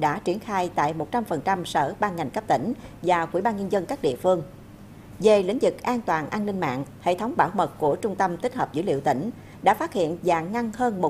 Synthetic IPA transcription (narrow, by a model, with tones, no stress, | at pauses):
ɗa̰ː˧˥t͡ɕi˧˩ənxaː˧jt̪a̰ː˧˨jmo˨˩t̚t͡ɕa˧mfə˨˩nt͡ɕa˧msəː˧˩ɓaː˧nŋa˨˩jŋ̟kə˦˥p̚t̪ï˧˩ŋ̟vaː˨˩kwi˧˩ɓaː˧nɲə˧nzə˧nkaː˦˥k̚ɗḭ˧˨əfɨ˧əŋ | ve˨˩lḭ̈˧˥ŋ̟zɨ˨˩k̚ʔaː˧nt̪waː˨˩nʔaː˧nːï˧ŋ̟ma̰ː˧˨nhḛ˧˨t̪ʰə˨˦wŋ͡mɓaː˧˩wmə˨˩t̚ku˧˩ət͡ɕʊ˧ŋ͡mt̪ə˧mt̪i˦˥k̟̚həː˨˩p̚zɨ̰˧˥˦lḭ˧˨əwt̪ï˧˩ŋ̟ | ɗa̰ː˧˥faː˦˥t̚hḭ˧˨ənza̰ː˧˨ŋŋa˧ŋhəː˧nmo˨˩